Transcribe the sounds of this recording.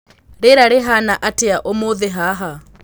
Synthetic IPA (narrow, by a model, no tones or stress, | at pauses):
ɾɪɾaɾɪɦanaʔatɪaʔomʊðɛɦaɦa